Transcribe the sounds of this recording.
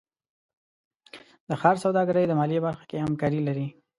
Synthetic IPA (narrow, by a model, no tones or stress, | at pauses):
d̪əxɑɾsawd̪ɑɡaɾəjd̪əmɑlibaɾxḁkehamkɑɾilaɾi